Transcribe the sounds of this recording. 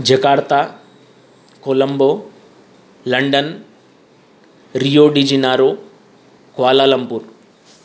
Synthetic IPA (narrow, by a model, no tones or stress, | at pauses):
d͡ʒɐkaːɾt̪a | kolɐmbo | lɐɳɖɐn | ɾijoːɖid͡ʒinaːɾo | kʋaːlaːlɐmpuɾ